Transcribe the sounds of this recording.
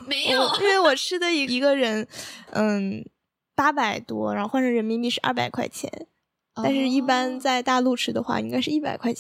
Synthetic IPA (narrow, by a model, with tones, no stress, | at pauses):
m˧˨˧i˥nwe˥˩ɪwɔ˨˩ʈ͡ʂʰɻ̩˥d̪ə˨i˧˥i˧˥ɡə˧ɻə˧˥nə˥˧˩ | pa˥pa˨˩ɪt̪wɔ˥ɻa̰˧˥xo˥˧ʊwa˥˩ʂʰɤ˥˩ŋɻə˧˥nmi˧˥ŋpi˥˩ʂɻ̩˥˧ʔɐ̰˥˩pa̰˨˩ɪkʰwa˥˩ɪt͡ɕʰjɛ̰˧˥n | a˥˧nʂɻ̩˥˧i˥˩pa˥nt͡sa˥˧ɪt̪a˥˧lu˥˩ʈ͡ʂʰɻ̩˥d̪ə˧xwa̰˥˩i˥ŋka˥˧ɪʂɻ̩˥˧i˥˩pa̰˨˩ɪkʰwa˥˩ɪ